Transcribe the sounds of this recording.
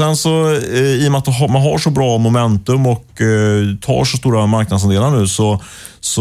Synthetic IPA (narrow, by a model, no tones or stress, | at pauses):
ɛnsɔiːʊmɛat̪̚d̪ɛɦmanɦaʂɔbɾɑːmʊmɛnt̪ɵmɔk | t̪ʰɑ̰ːʂɔs̬t̪uːɾamaɾk̚nad̪sand̪eːlaɳʉ̟ːsɔ | sɔ